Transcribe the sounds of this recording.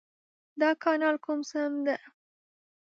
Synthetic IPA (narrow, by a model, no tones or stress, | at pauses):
d̪ɑkɑnɑlkumsəmd̪a